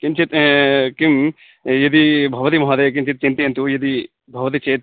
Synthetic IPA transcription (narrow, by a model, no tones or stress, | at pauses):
kimt͡ʃʰit̪kim | jɐd̪ibʱɐʋɐt̪imɐɦɐd̪eːk̬imt͡ʃʰit̪̚t͡ʃint̪iɐnt̪ujɐd̪i | bʱɐʋɐt̪̬it͡ʃeːt̪̚